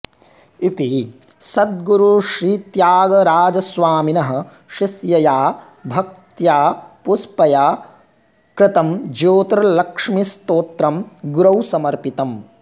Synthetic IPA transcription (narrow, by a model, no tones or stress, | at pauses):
it̪i | sɐd̪̚ɡuɾuʃɾiːt̪jaːɡɐɾaːd͡ʒɐsʋaːminɐɦɐ̆ | ʃisjɐjaː | bʱɐk̚t̪jaːpuspɐjaː | kɾɪt̪ɐmd͡ʒoːt̪ɾɐlɐkʂmist̪oːt̪ɾɐmɡuɾɐwsɐmɐɾpit̪ɐm